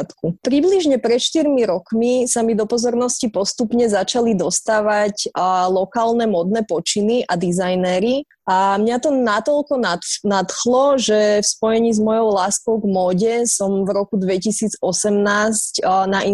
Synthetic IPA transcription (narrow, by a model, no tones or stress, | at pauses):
t̪kupɾibliʒɲɛpɾɛt̪ʃt̪iɾmiɾɔkmisamid̪ɔpɔzɔɾnɔscipɔst̪upɲɛzat͡ʃalid̪ɔst̪aːʋaclɔkaːlnɛmɔd̪nɛpɔt͡ʃiniʔad̪izajnɛɾi | ʔamɲat̪ɔnat̪ɔlkɔnanat̪xlɔʒɛfspɔjɛɲiːzmɔjɔʊlaːskɔʊɡmɔːɟɛsɔmvɾɔkud̪ʋɛcisiːd͡zɔsɛmnaːscnaʔi